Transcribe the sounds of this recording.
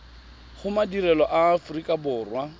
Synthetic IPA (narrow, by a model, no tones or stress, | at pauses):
χʊmadirɛlɔʔaːfʊrikʼabʊːrwa